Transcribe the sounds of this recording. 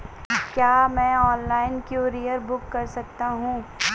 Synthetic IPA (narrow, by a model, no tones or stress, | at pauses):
kjaːmɛ̃ːɔːnlaːɪnkjoːɾijəɾbʊkːɐɾsɐk̚t̪aɦũː